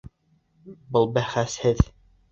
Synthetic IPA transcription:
bɤlˠbæχæshɘð

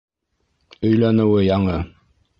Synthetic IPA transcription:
ɵ̆jlænɘ̆wɘjɑɴɤ

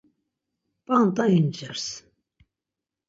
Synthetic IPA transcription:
pʼant̪ʼaind͡ʒɛɾs

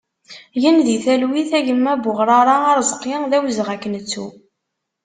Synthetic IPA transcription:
jənðiθælwiθæʝəmːæbʊʁɾˤɑɾˤɑɑɾzˤqiŋðæwzʁækːənt͡sːu

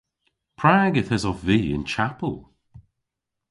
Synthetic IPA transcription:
pʰɹaːɡəθɛzɔfviːɪ̰nt͡ʃʰapəlˠ

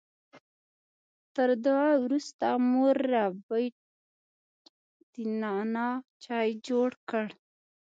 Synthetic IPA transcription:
t̪əɾd̪awɾust̪amoɾːabəj | d̪̥inɑnɑt͡ʃɑjd͡ʒoɽkəɽ

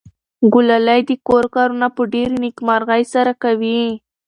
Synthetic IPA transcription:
ɡʊlalajd̪əkoɾkɑɾunapəɖeɾnikmɑɾɣajsaɾakawi

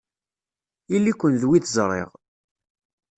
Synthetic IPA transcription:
ilːikʷːənðwiθzˤɾˤḛʁ

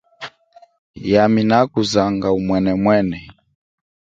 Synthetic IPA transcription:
jaminakuzaŋɡaumwɛnɛmwɛnɛ

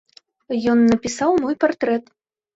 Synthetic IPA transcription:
jɔnːɐpʲisawmɔjpart̪ɾɛt̪

